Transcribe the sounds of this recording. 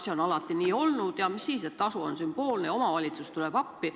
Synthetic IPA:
seo̞nɑlɑt̪ːˑiniːo̞lnud̪̥jɑmisːiːset̪ːˑɑsuo̞nsymb̥o̞ːlneo̞mɑvɑlʲit̪sust̪ulɛb̥ɑpːi

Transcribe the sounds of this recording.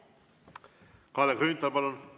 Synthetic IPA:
kɑːlekɾyːnt̪ːɑlpɑlun

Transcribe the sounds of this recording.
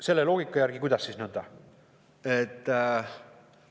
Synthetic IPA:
se̞lːelo̞ːɡ̥ikːˑɑjæɾɡikujd̪̥ɑsːisnɤnd̪̥ɑ | et̪ː

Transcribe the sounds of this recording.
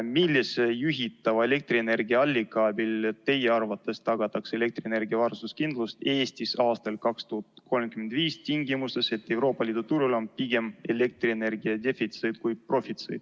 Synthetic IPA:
milːisejuɦit̪ːˑɑvɑe̞le̞k̚t̪riene̞rɡiɑɑlʲːikɑbilt̪e̞jeɑrvɑt̪ːˑe̞st̪ːɑɡ̥ɑt̪ːɑkse̞le̞k̚t̪riene̞rɡiɑvɑrsuskind̪lust̪e̞ːst̪isɑːst̪ɑlkɑkst̪uhut̪kʰo̞lmkymend̪viːst̪ʲiŋɡimust̪e̞se̞t̪ːe̞wro̞ːpːˑɑliːd̪̥ut̪uɾulo̞npiɡ̥e̞me̞le̞k̚t̪riene̞rɡ̥iɑd̪e̞fit̪sejd̪̥kujpro̞fit̪sḛjd̪̥

